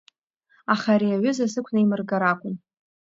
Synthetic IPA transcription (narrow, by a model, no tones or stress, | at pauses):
aχaɾiaɥʏzasɨkʷʰnaimɨrɡaɾakʷʼʊn